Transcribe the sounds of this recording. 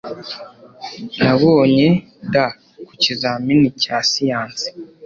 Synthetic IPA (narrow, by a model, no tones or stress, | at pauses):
naβoːɲe | da | kucizaminicasijaːnsi̥